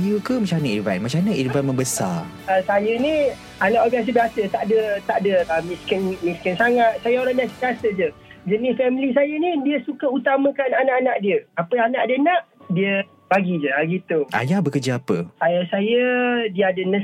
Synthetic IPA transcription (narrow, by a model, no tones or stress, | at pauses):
jukəmat͡ʃanəiva̰nmat͡ʃanəidvanmə̃mbəsa̰ | əsajənĩ | anãʔbias̬əbiasət̪aʔdət̪aʔdəəmiskənmiskənsaŋat̪̚sajəoɾabiasəbiasəd͡ʒə | d͡ʒənɪsfɛmlisajənidiəsukaut̪amə̃kananãʔanaʔdiəapəanaʔdənãʔdiə | b̥aɡid͡ʒəaɡit̪uʔa̰jahbəkəd͡ʒaapəsajasajədiəadənə